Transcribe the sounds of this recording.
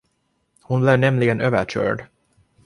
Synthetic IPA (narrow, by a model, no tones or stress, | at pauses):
hʊnblɪvnɛmlɪɡənøːvəɕœ̰ːɖ